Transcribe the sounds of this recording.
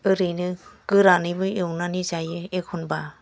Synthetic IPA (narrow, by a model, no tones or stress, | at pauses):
ɯɾɯnɯkɯɾanɯjbɯɯwnanizajɯekʰɔnba